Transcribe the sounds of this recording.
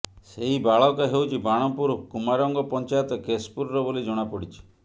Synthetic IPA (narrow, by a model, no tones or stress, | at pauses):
seɦibaɭɔkaɦewt͡ʃʰibaɽ̃ɔpuɾkumaɾɔŋɡɔpɔnt͡ʃajɔt̪ɔkespuɾɔɾɔbolid͡ʒɔɽ̃apɔɽit͡ʃʰi̥